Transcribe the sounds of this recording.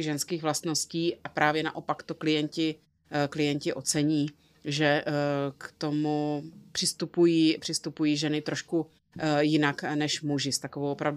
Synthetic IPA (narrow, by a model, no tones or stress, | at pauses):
ʒɛnskiːɣvlast̪no̞sciːʔapɾaːvjɛna̰ʔo̞pakt̪oklɪjɛncɪ | klɪjɛɲcɪʔo̞t͡sɛɲiː | ʒɛkt̪o̞mupr̥ɪst̪upujiːpr̥ɪst̪upujiːʒɛnɪt̪ɾoʃku | jɪnaknɛʃmuʒɪst̪akovowʔopɾavdu